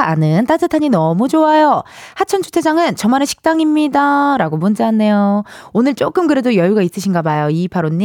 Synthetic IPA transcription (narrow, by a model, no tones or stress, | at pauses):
a̰nɯnt͈ad͡ʑɯtʰaɲinʌmud͡ʑoajo | hat͡ɕʰʌnt͡ɕʰu̥tʰed͡ʑaŋɯnt͡ɕʌmanɯɕʰi̥k̚t͈aŋimɲidaɾaɡomund͡ʑeɦanːe̞joonɯɭt͡ɕ͈ok͈ɯmkɯɾe̞dojʌjuɡais͈ɯɕʰinɡamajoipʰaɾonːi